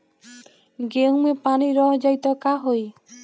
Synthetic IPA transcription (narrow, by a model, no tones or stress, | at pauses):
ɡemepaniɾɔɦd͡ʒajt̪ɔkaɦoj